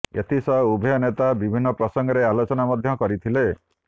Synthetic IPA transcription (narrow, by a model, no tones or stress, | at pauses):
ḛt̪ʰisɔubʱɔjɔnet̪abibʱinːɔpɾɔsɔŋɡɔɾealot͡ʃɔnamɔd̪ʱjɔkɔɾit̪ʰile